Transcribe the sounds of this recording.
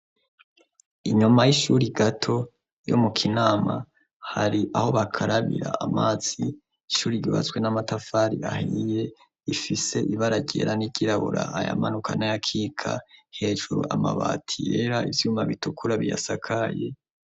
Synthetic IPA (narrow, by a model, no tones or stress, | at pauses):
iɲumajiʃuɾiɡatʰo | jo̰mukʰinaːma | haɾiʔaho̞βakʰaɾaβḭɾa̰amaːziː | ʃuːɾiɟoβa̰t͡swe̞namatafaːɾiahije̞ | ifise̞ʔiβaɾaɟeɾaniɟ̥iɾaβuɾaaja̰manukʰanajakʰiːkʰahe̞ːʒuɾṵama̰βa̰ːtʰije̞ɾaivjuːmaβitukʰuɾaβija̰sakʰaje